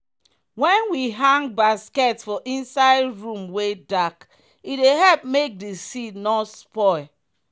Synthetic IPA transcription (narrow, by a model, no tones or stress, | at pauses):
wɛ̃nwiɦãŋɡ̚baskɛtfɔʔĩnsaɪdɹũmwedak | ideɦɛlp̚mek̚desidnɔspɔɪ